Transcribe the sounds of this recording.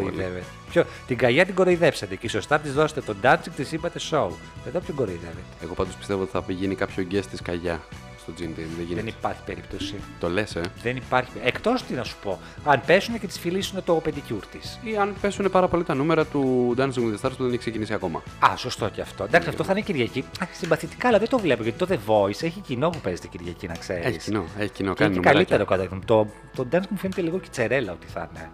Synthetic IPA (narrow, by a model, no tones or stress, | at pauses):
oiðevet̪epçot̪iɡɐʝɐt̪iɡo̞ɾoiðepset̪eciso̞st̪ɐnɐt̪izðo̞se̥t̪et̪o̞d̪ɐnt͡siŋɡt̪isibɐt̪esou | eðopot̪iɡo̞ɾoiðe̞vet̪eeɣo̞pɐnd̪opi̥st̪e̞vot̪i̥θɐpiʝinikɐpçoɟest̪iskɐʝɐ | st̪o̞d͡zind̪inðeʝinenipɐɾçi̥pe̞ɾip̚t̪o̞sit̪o̞le̞seðenipɐɾçi̥ekt̪o̞st̪inɐsu̥po̞ | ɐnpe̞sunecet̪i̥sfilisunet̪oped̪icuɾt̪isiɐnpe̞sune̞pɐɾɐpo̞lit̪ɐnumeɾɐt̪ud̪ɐnsiŋɡmuðest̪ɐɾspuðeneçksecinisiɐko̞mɐ̰ɐso̞st̪o̞ceɐft̪oend̪ɐksiɐft̪oθɐneciɾʝɐciɐsimbɐθit̪i̥kɐːlɐðet̪o̞vle̞poʝɐt̪i̥t̪oðe̞vo̞iseçicino̞pupezet̪e̥ciɾʝɐcinɐkse̞ɾeiçsnoeçi̥cinonineumkɐlit̪eɾɐookɐt̪ɐθint̪o | t̪od̪ɐnsŋmufenet̪eliɣoce̥t͡se̞ɾelɐot̪i̥θɐ̰ne